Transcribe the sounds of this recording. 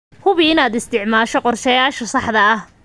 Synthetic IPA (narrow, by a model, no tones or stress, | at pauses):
hʊβɪɪnaːd̪ɪst̪ʰɪʕmaːʃɔqɔrʃɛjaːʃɐsɑħd̪ɐɐh